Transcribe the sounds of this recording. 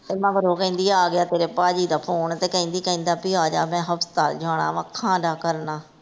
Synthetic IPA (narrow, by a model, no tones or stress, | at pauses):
t̪eːmãːɡəɾoːkə̃ĩːnd̪iːaːɡɪjaːt̪eːɾeːpaːd͡ʒiːd̪aːpʰoːɳt̪eːkə̃ĩːnd̪iːkə̃ĩːnd̪aːpiaːd͡ʒa̰ːmɛ̃ːɦəpst̪aːld͡ʒaːɽa̰ːʋãːkʰãːdaːkəɾnaː